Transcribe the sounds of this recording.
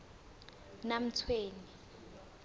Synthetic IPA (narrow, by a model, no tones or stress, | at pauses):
nam̩t͡sʰweːni